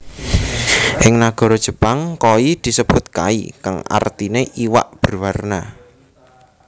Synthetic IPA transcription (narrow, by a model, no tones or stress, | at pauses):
ʔɪŋnaɡ̥ɔ̤ɾɔd̥ʒ̥ə̤paŋkoid̪̥i̤səb̥ʊ̤t̪̚ka̰ḭka̰ŋa̰rt̪ineʔiwa̰ʔb̥ərwarna